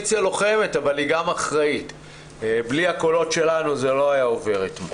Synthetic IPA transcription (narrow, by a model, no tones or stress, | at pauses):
t͡sjalo̞χe̞metavaliɡamaχʁait | bliako̞lo̞tʃe̞lanuzelo̞ajaove̞ʁitmo